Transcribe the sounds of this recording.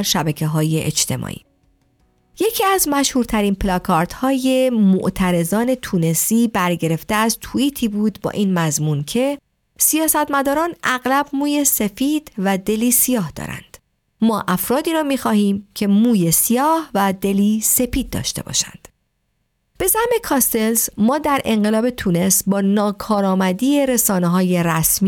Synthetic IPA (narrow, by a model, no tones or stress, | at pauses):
ɾʃæbæcʰeɦɒːje̞ʔḛt͡ʃt̪ʰe̞̰mʔɒ̰ːʔḭ | je̞cʰiːæzmæʃhuːɾt̪ʰæɾiːnpʰlɒkʰɒːɾt̪hɒːje̞mo̰ʔt̪ʰæɾe̞zɒːne̞t̪ʰuːne̞siːbæɾɟe̞ɾe̞ft̪eæzt̪ʰuiːt̪ʰiːbuːd̪bɒ̰ːʔiːnmæzmuːnkʰe̞ | sijɒːsæt̪mæd̪ɒːɾɒːnʔæɣlæbmuːje̞se̞fiːd̪̥væd̪e̞liːsijɒːhd̪ɒ̰ːɾæ̰nd̪̥ | mɒːʔæfɾɒːd̪iːɾɒːmiːxɒːhiːmcʰe̞muːje̞sijɒːhvæd̪e̞liːse̞piːd̪̚ːɒ̰ːʃt̪e̞̰bɒ̰ʃæ̰nd̪̥ | b̥e̞zæhme̞kʰɒːst̪e̞lzmɒːd̪æɾʔe̞ŋɢe̞lɒːbe̞t̪ʰune̞sbɒːnɒːkʰɒːɾɒːmæd̪iːe̞ɾe̞sɒːneɦɒːje̞ɾæsmi